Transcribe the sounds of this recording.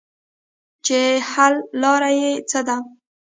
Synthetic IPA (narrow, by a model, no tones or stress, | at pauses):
t͡ʃehalːɑɾajet͡səd̪a